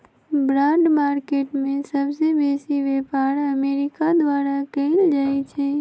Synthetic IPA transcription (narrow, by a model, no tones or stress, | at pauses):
bɾãɖmaːɾkeʈmẽsəbsebesiʋepaɾəmeɾɪkad̪ʋaɾakəɪld͡ʒait͡ʃʰe